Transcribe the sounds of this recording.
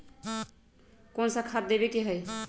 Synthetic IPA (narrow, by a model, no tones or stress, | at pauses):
konsakʰat̪̚d̪ebekeɦəj